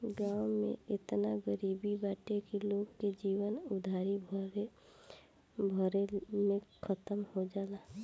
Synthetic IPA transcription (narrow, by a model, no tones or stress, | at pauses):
ɡaːwmḛ̃ɪt̪naɡəɾiːbibaːʈekiloːɡked͡ʒiːwənʊd̪ʱaːɾibʱ | bʱəɾemẽkʰət̪əmhod͡ʒaːlaː